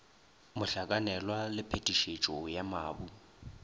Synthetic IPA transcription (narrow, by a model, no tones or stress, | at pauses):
mʊɬakʼanɛlwalɪpʰetʼiʃet͡ʃʼɔjamaːbu